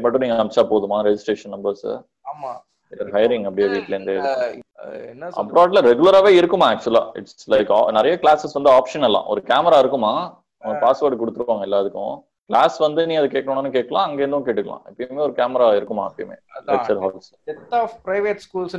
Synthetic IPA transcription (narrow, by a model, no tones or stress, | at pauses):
pɐʈːɯnĩːŋɡɐɐmt͡ʃaːpoːðɯmaːɾɛd͡ʑɪsʈɾeːʂɐnːɐmbɐɾs | m | ɪɐɾɦɐɪɾɪŋɡɐpːɽɪjaʋiːʈlnd̪eː | ɐ̰pːɾoːɾʈlɐɾɛɡʊlɐɾaːʋeːɪɾɯkːɯmaːk̚t͡ʃʊla̰ːɪ̰ʈslɐɪkːnɪɾɐjɐklaːsɛsʋɐnd̪ɯaːpʂɐnɛlːã̰ːʔɔɾɯkaːmɐɾaːɪɾɯkːɯmːaː | ɔŋɐpaːsʋɐɾɖkɔɽɯt̪ːɯɾɯʋaːŋɡɐɪlːaːðɯkːʊ̰̃ | klaːsʋɐnd̪ɯnĩːɐðɯkeːkɐɽɐɳːnːɯkeːʈ̚kːɐɭãːɐŋɡeːɾnd̪ʊ̃k̬eːʈːɯkːɐɭã̰ːɪpːɐjmeːɔɾɯkaːmɐɾaːɪɾɯkːɯmːa̰ːɐpːɐjɐmḛːlɛt͡ʃɐɾɦaːls | ɛt̪ːapɾɐɪʋeʈskuːls